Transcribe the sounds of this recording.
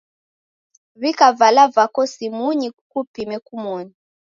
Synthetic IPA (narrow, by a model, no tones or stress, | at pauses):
βikavalavakɔsimuɲikupimɛkumɔɲi